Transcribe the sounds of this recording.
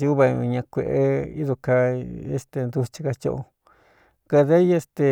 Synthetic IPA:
i˧u˦βã˧ɲã˧kʷe˧ʔe˦ḭ˦ðo˧ka˧ḛ˦st̪e˧nd̪u˧t͡ʃi˧ka˧t͡ʃo̰˦ʔo˧ | ka˧ðe˦je˧˦st̪e˧

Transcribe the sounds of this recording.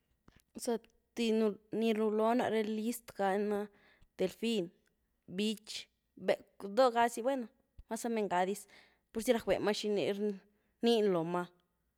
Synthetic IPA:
sa˧ | t̪i˧nu˧ni˧ɾu˧lo˦na̰˧ɾe˧li˦st̪ɡa˧na˧ | t̪e˨lfi˦n | bi˦t͡ʃ | be˨kd̪o˦ɡa˧˦si˧bwe˦no˨˧ | ma˦sa˦me˧ŋɡa˧d̪i˧˦s | pu˧ɾsi˦ɾa˧kwḛ˨ma˦ʃi˧nḭ˧ɾ | ni˦nlo˨ma˧

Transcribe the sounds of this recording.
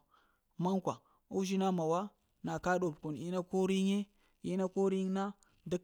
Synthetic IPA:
ma˦ŋkʷa̰˨ | u˦ʃi˦na˦ma˨wa˦ | na˨ka˦ɗo˨bku˨ni˦na˦ko˦ɾi˦ɲe˦ | i˦na˦ko˦ɾi˦na˦ | di˦k

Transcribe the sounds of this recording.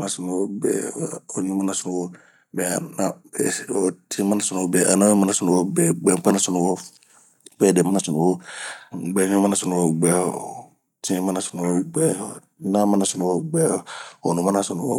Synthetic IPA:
ã˨sʊ˨nũ˨wɔ˦bɛ̰˨ɔ˨ɲũ˦ma˦na˨sʊ˨nũ˨wɔ˦ | bɛ˨a˨na˨bɛ˨ɔ˨tʰĩ˦ma˦na˨sʊ˨nũ˨ɔ˨bɛ˨ʔa̰˨na˦ũ˦ma˦na˨sʊ˨nũ˨wɔ˦bɛ˦ɡ͡bɛ˨k͡pa˦na˨sʊ˨nũ˨wɔ˦ | bɛ˦˨dɛ˨ma˦na˨sʊ˨nũ˨wɔ˦˨ | ɡ͡bɛ˨˦ɲũ˦mã˦na˨sʊ˨nũ˨wɔ˨ɡ͡bɛ˦ | tĩ˦mã˦a˨sʊ˨nũ˨wɔ˦ɡ͡bɛ˦ | nã˦mã˦na˨sʊ˨nũ˨wɔ˦ɡ͡bɛ˦˨ɔ˨nũ˨mã˦na˨sʊ˨nũ˨wɔ̰˦

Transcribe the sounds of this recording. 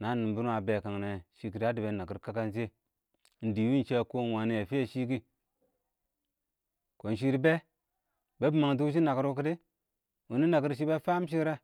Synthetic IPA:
na˨˦ni˨mbi˦n˦a˨be˨ka˨ŋne˨ʃi˦k̬i˨ɾa˦di˨be˨na˨ki˨ɾka˦ka˦nze˦˨ | n̩˨di˨wi˦n˨t͡ʃe˦˨ko˦n˨wa˨ni˦ja˨fi˦e˨ʃi˦ki˦ | ko˨n˨ʃ̬i˦ɾbe˦ | be˦bi˨ma˨ŋdu˦ʃ̬i˦na˨ki˦ɾu˦ki˦ti˦ | u˨ni˦na˨ki˦ɾʃ̬i˦be˦fa˦m˦ʃ̬i˦ɾe˦

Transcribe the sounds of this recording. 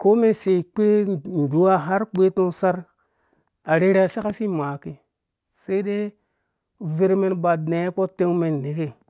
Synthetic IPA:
ko˦me˦nse˨i˨k͡pe˦n˨du˨˦a˦ɦa˦ɾk͡pe˦to˦ŋsa˦ɾ | a˨ɾe˦ɾe˦a˨se˦ka˦si˦ma˨ki˨ | se˦i˦ɗe˦ | ve˦ɾme˦nba˨de˨˦k͡po˦te˦ŋme˨nː˨e˨ke˦

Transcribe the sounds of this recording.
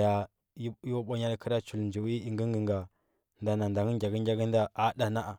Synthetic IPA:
ja˨˦ | ju˦ɓa˦ɲa˦ɾkə˦ɾa˦t͡ʃu˨lnd͡ʒi˨wi˦i˨ŋɡə˦ŋɡə˨ŋɡa˨ | nda˨na˨nda˨ŋə˦ɡʲa˨ɡə˦ŋʲ˦a˦ɡə˦nda˦a˦da˨na˦ʔa˨

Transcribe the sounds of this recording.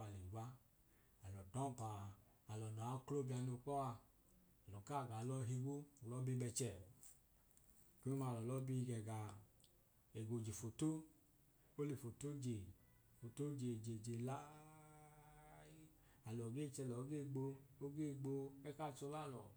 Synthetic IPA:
a˨li˨ɡ͡ba˦ | a˨lɔ˨dɔ˦m˨paː˨ | lɔ˨na˨a˨˦klo˦bi˧a˧no˧k͡pɔ˦wa˧ | a˨lɔ˨ka˦˨ɡa˨lɔ˧˨ɦi˧ɡo˦˨lɔ˦bi˦bɛ˧t͡ʃɛ˦˨ | ke˦i˦ma˧˨lɔ˨lɔ˨˦bi˦˧ɡɛ˨ɡa˨ | e˨ɡo˨d͡ʒe˨fo˨to˦ | o˦le˨fo˨to˦d͡ʒe˨ | fo˨to˦d͡ʒe˨d͡ʒe˨d͡ʒe˨la˦ | a˨lɔ˨ɡe˦˨t͡ʃɛ˧˨lɔ˨o˦ɡe˦˨ɡ͡bo˧o˦ɡe˦˨ɡ͡bo˧ɛ˦ka˦˨t͡ʃɔ˧˦la˦˨lɔ˨

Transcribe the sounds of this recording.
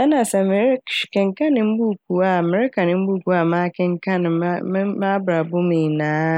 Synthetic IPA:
ʔɐ˦naː˨sɔ˦m˦ʃkʲɪ˦ŋkɐ˦nɪ˦mbuː˦˨kʷu˨waː˦ʔa˨mɪ˨˦ɾka˨nɪ˦m˦buː˦˨kʷu˨wa˦˨ma˦kʲɪ˦ŋkɐ˦n˨˦ma˦bɾa˨bʊ˦miː˨na˦

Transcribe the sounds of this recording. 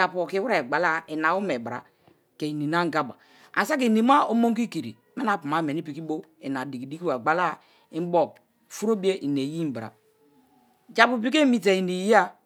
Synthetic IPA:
a˨po˨ki˦wɾe˨ɡ͡ba˨la˦i˨na˨˦u˦me˨ba˨ɾa̰˨ | ke˨i˨ni˨na˦ŋ˦ɡa˦ba̰˨ | a̰˨sa˦k̬i˨ni˨ma˦o˦mo˦ŋ˦ki˦ki˨ɾḭ˨ | me˦na˨pu˨ma˨˦m˨e˨ni˦pi˨ki˦bo˦i˨na˨di˨ki˨di˦ki˦wa˨ɡ͡ba˨la˦ | i˦m˦bo˨k̚ | fu˦ɾo˦bi˦e˦ʔi˨ne˨ji˦m̩˨bɾa̰˨ | d͡ʒa˨pu˨pi˦ke˦mi˨t̬e˨i˨ni˨ji˦a˦

